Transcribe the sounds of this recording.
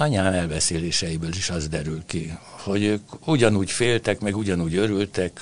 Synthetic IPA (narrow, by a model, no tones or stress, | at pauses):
ɒɲaːnɛlbɛseːleːʃɛjibøːliʃɒzd̪ɛɾylkiho̞ɟøːkuɟɒnuːcfeːlt̪ɛkmɛɡuɟɒnuːɟøɾylt̪ɛk